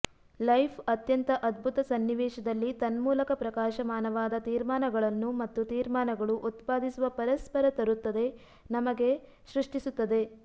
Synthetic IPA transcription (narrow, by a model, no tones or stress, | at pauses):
lɐjpʰɐt̪jɐnt̪ɐʔɐd̪̚bʱut̪ɐsɐnːiʋɛːʃɐd̪ɐlːit̪ɐnmuːlɐkɐpɾɐkaːʃɐmaːnɐʋaːd̪ɐt̪iːɾmaːnɐɡɐɭɐnːumɐt̪ːut̪iːɾmaːnɐɡɐɭuʔut̪paːd̪isuʋɐpɐɾɐspɐɾɐt̪ɐɾut̪ːɐd̪e̞ | nɐmɐɡe̞ | ʃɾuʂʈisut̪ːɐd̪e̞